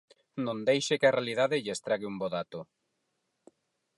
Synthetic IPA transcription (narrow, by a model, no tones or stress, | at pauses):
nõnd̪ejʃekarealiðaðɪʎest̪ɾaɣɪumboðat̪o